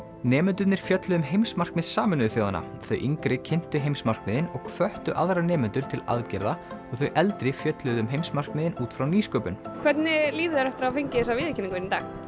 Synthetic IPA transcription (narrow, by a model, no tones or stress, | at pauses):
nɛːmʏnt̪̬ʏt̪nɪɾ̥fjœt̪lʏðʏmɦejmsmar̥kmɪðsaːmɪnʏʏθjoːwða̰na̰ | θœɥʔiŋkɾɪcʰɪn̥t̪ʏɦejmsmar̥kmɪðɪnɔɣkʰvœht̪ʏʔaðɾanɛːmʏnt̪ʏɾ̥t̪ʰɪla̰ðcɛɾðaɔɣθœɥʔɛlt̪ɾɪfjœt̪lʏðʏmɦejmsmar̥knɪðɪnuːt̪fɾawniːskœːpʏnkʰvɛt̪nɪliːðʏaɾɛft̪ɪɾawfiɲcɪɪsaviːðɪcʰɪnĩŋkveɾnnt̪aːx